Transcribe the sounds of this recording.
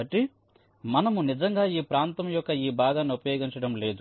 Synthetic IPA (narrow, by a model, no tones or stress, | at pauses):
ɐʈːi | mɐnɐmunid͡ʒɐŋɡaːiːpɾaːnt̪ɐmjɔkːɐiːbʱaːɡanupɐjoːɡiɲt͡ʃɐɽɐmle̞ːd̪u